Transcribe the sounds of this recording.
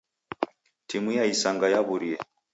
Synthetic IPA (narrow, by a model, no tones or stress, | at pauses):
timujaisaŋɡajaβuɾiɛ